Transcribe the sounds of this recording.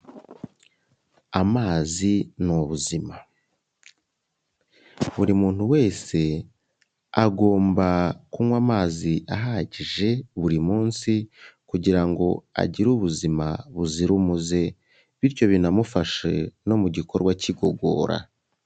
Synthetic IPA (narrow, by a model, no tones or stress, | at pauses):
amaːzinoβuzima | βuɾimuːn̥huwe̞ːse̞ | aɡo̞ːmbakumwamaːziʔaɦaɟiʒe̞βuɾimuːnsikuɟiɾaŋɡo̞a̰ɟiɾuβuzimaβuziɾumuze̞ | βiɾco̞βinamufaʃe̞no̞muɟiko̞ɾɡwaciɡo̞ɡo̞̰ːɾa̰